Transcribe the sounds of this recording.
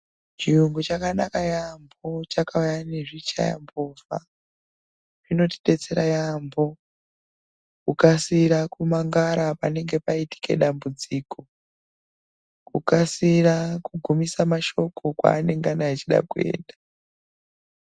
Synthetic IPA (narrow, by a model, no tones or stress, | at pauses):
t͡ʃiuŋɡut͡ʃakanakajambo̞t͡ʃakaujaneʐit͡ʃa̰ja̰mboːfa̰ | ʐ̥ino̞ti̥ɗe̞t͡se̞ɾajambo̞ | kukasiɾakumaŋɡaɾapane̞ŋɡe̞paiti̥ke̞̰ɗambud͡ziːko̞ | kukasirakuɡʱumisamaʃo̞ko̞kwa̰ːne̞ŋɡanaat͡ʃiɗa̰kue̞̰ːnda